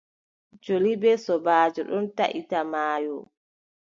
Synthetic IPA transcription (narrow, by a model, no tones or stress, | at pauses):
d͡ʒolibɛsɔbaːd͡ʒɔɗɔnta̰ʔitamaːjɔ